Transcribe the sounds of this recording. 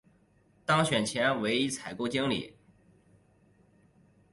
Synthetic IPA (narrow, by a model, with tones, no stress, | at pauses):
t̪ɑ˥ŋɕɥɛ˨˩nt͡ɕʰjɛ˧˥nwe˧˥ɪi˥t͡sʰa˨˩ɪko˥ʊt͡ɕi˥ŋlḭ˨˩˦